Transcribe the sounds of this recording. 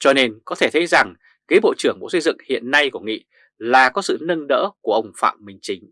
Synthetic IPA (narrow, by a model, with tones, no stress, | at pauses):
t͡ɕɔ˧ne˧nkɔ˨˦t̪ʰe˧˩t̪ʰjza˨˩ŋ | ɣi˨˦ɓo̰˧˨t͡ɕɨ˧˩əŋɓo̰˧˥sə˧jzɨ̰˧˨ŋhḭ˧˨ənːa˧jku˧˩əŋḭ˧˨ | laː˨˩kɔ˨˦sɨ̰˧˨nə˧nɗə̰ː˧˥ku˧˩əʔə˧wŋ͡mfa̰ː˧˨mːï˨˩ŋ̟t͡ɕï˨˦ŋ̟